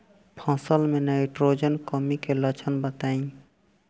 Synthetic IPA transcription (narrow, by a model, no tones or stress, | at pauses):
pʰãːsəlmẽnaɪʈɾoːd͡ʒənkəmikelət͡ʃʰənbət̪aːĩ